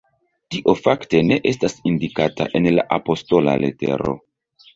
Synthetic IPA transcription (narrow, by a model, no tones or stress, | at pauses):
tiʔo̞fakte̞ne̞ʔe̞stasindikata̰ʔe̞nla̰ʔapo̞sto̞la̰le̞̰te̞̰ɾo̞̰